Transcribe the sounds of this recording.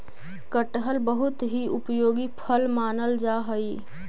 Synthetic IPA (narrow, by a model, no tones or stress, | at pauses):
kəʈɦəlbəɦʊt̪ɦiʊpjoːɡipʰəlmaːnəld͡ʒaːɦəi